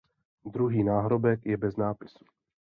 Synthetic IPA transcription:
d̪ɾuɦiːnaːɦɾo̞bɛkjɛbɛznaːpɪ̥su̥

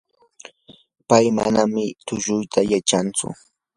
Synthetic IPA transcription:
pajma̰namɪt̪ʊʒʊjt̪ʰajat͡ʃant͡sʊ̰

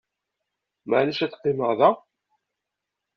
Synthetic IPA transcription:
mæʕləʃæt͡sːqːɪməʁðæ

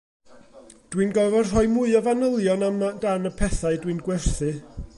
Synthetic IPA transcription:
d̥winɡɔvɛr̥ɔɨmʊɨɔvanəlˠjɔnamdanəpʰɛθaɨdwinɡwɛrθɨ

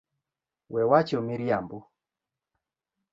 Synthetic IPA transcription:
wɛwat͡ʃɔmiɾjambu

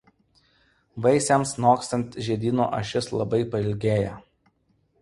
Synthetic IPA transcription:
ʋɐɪsʲɛmsnoːkst̪ɐnʲt̪ʲʒʲiɛd̪ʲiːno̰ʔɐ̰ʃʲɪslˠɐ̰bɐɪpɐɪlʲɡʲeːjɛ

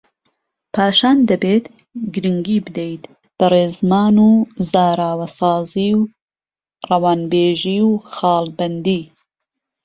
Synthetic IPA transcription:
pʰɑːʃɑːnd̪ɐbeːt̪ | ɡɾɨŋɡiːbɨd̪ejt̪ | b̥ɨreːzmaːnuːzaːɾaːwɐsɑːziːw | rɐwɑːnbeːʒiːwxɑːlbɐnd̪iː

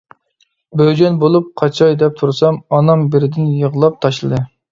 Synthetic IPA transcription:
bød͡ʒɛnbolˠup̚qʰɑt͡ʃʰɑjd̪ɛp̚t̪ʰuɾsɑmɑnɑmbɪɾɪd̪ɪnjəʁlˠɑp̚t̪ʰɑʃlˠɨd̪ɨ

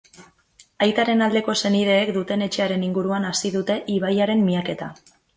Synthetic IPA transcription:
ajt̪aɾe̞nald̪e̞ko̞se̞nið̞e̞ːkd̪ut̪e̞ne̞t͡ʃe̞aɾe̞niŋɡuɾuanasiðut̪e̞ʔiβ̞ajaɾe̞mːiake̞t̪a̰

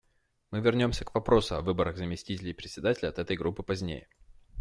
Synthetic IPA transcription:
mɨvʲɪrnʲo̞msʲəkvɐpɾo̞sʊɐvɨbəɾəɣzəmʲɪsʲtʲitʲɪlʲɪɪpɾʲɪtʲsʲɪd̪atʲɪlʲɐt̪ɛt̪əjɡɾupːɨpɐzʲnʲḛjə

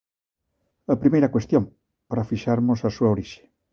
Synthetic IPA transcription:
ɐpɾimejɾɐkwest̪jõŋ | paɾafiʃaɾmʊsɐsuɐoɾiʃe̥

